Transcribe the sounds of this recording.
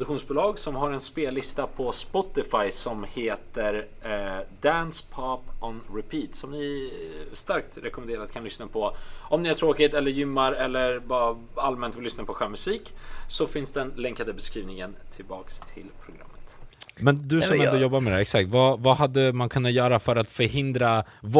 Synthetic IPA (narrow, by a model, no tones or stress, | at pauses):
d̪kɧuːnsbʊːlɑːɡsɔmɦaɾɛnspeːlːɪst̪apʰɔspɔt̪ɪfajsɔmheːt̪əɾ | d̪ænspʰɑpɔnɾɛpʰiːt̪sɔmnɪ | st̪aɾkt̪ɾɛkɔmɛnd̪eːɾad̪kʰanlʏsnapʰɔʔɔmnɪæʈʰɾoːkɪt̪ɛlːəɾjʏmːaɾɛlːəɾba | almɛnt̪vlʏsnapʰɔɧɛːmɵsiːksɔfɪnsd̪ɛnlɛŋkad̪əbɛskɾiːvnɪŋənt̪ʰɪlbɑ̰ːkst̪ʰɪ̰lpʰɾʊɡɾa̰mːət̪mɛnd̪ɵsɔmɛnd̪ɔjɔbːaɾmɛd̪æɾɛksak̚t̪vavahad̪ːəmankʰɵnːat̪jœːɾafœɾat̪fœɾɦɪnd̪ɾa | v